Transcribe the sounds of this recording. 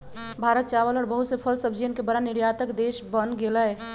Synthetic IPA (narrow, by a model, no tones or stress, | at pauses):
bʱaːɾət̪̚t͡ʃaːʋəlɔːɾbəɦʊt̪sepʰəlsəbd͡ʒeənkebəɾanɪɾjaːt̪əkd̪eːʃbənɡeləɛ